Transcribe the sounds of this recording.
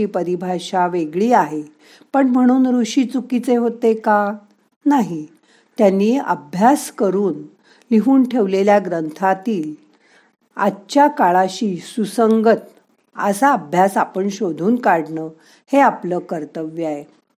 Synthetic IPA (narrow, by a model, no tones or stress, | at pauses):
iːpəɾibʱaɕaʋeɡɭiːaɦe | pəɳm̤əɽ̃uːnɾuɕiːt͡sukit͡seɦot̪eka | naɦi | t̪janːiːə̰bʱjaskəɾuːn | liɦuːnʈʰeʋleljaɡɾənt̪ʰat̪iːl | a̰t͡ɕakaɭaɕiːsusəŋɡət̪̚ | ə̰saəbʱjasapəɳɕod̪ʱuːnkaɽnə | heapləːkəɾt̪əʋjae